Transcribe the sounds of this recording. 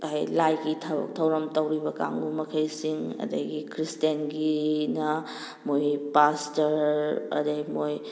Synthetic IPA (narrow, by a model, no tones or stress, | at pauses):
ajlajɡitʰɐbɐ̰k̚tʰɐwɾɐmtɐwɾibɐka̰ŋɡumɐkʰɐjsiŋɐ̰dɐ̰ɡikɾistenɡinɐ | mojpastɐɾɐ̰dɐjmoj